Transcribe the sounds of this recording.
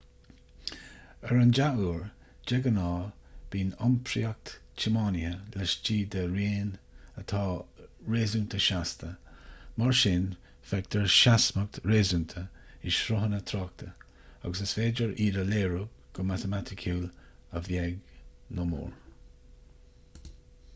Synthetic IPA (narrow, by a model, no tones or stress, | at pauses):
əɹənd͡ʒaʔuːɹ | d͡ʒɛɡənɑːb̥iːnɔmpʰɾiak̚t̪t͡ʃʰɪmɑːnɪhəlɛʃt͡ʃiːd̪əɾeːnət̪ʰɑːɹeːzunt̪ʰəʃast̪ʰəmaɹʃɪn | fɛk̚t̪ʰəɹʃasmək̚t̪ɹeːzunt̪ʰə | ɪʃɾʊɦənət̪ʰɾɑk̚t̪ʰə | a̰ɡəsəsfeːd͡ʒəɹʔiːɾəleːɹuɡ̥ʊmat̪əmat̪ʰɪkʰuːləvjɛɡnʊmṵːɹ